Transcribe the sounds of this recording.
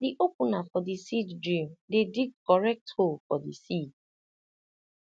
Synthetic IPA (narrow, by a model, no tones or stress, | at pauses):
diʔokunafɔdisiddɹidediɡ̚kɔɹɛk̚tholfɔdisid